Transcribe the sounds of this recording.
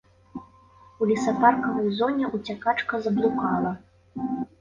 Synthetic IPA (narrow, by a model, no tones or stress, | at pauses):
ulʲisɐparkɐvɐjzɔnʲɛʔut͡sʲakat͡ʂkɐzɐblˠukalˠɐ